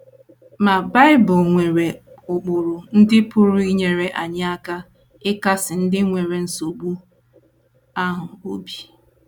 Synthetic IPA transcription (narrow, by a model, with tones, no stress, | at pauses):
ma˨ba˦ɪ˦bʊ˨lŋʷe˨ɾe˨ | ʊ˨k͡pʊ˨ɾʊ˨n̩˦dɪ˦pʊ˦ɾʊ˦i˦ɲe˨ɾe˨ʔa˨ɲa˦a˦ka˦ | ɪ˦ka˦sɪ˨n̩˦dɪ˦ŋʷe˨ɾe˨n̩˦so˨bu˦ | a˦ɦʊ˨o˦bi˦